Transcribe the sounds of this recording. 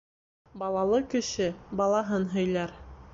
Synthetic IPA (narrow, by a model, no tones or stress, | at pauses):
bɑlˠɑlˠɤkɵ̆ʃɘbɑlˠɑɦɤnɦɵ̆jlæɾ